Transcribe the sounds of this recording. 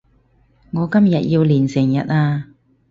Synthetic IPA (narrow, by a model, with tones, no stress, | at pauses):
ŋɔː˨˧kɐ˥mjɐ˨t̚jiː˧wliː˨˩nsɪ˨˩ŋjɐ˨t̚aː˧